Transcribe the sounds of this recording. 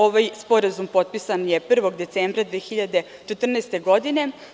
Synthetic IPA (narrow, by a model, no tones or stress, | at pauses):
oʋajspo̞ɾazumpo̞t̪̚pisanjepr̩ʋo̞ɡd̪e̞t̪seːmbɾad̪ʋeːxiʎad̪e̞ | t͡ʃet̪r̩nɛst̪e̞ɡo̞d̪ine̞